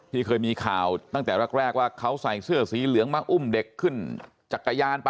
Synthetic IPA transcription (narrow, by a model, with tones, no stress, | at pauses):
t̪ʰiː˥˩kʰɤː˧jmiː˧kʰaː˨˩wt̪a˥˩ŋt̪ɛː˨˩ɾa˦˧˩k̚ɾɛː˥˩k̚waː˥˩kʰa˦˥wsa˨˩jsɯ˥˩ɐsiː˨˦lɯ˨˩˦əŋmaː˧ʔu˥˩mde˨˩kʰːɯ˥˩n | t͡ɕa˨˩kːa˧jaː˧np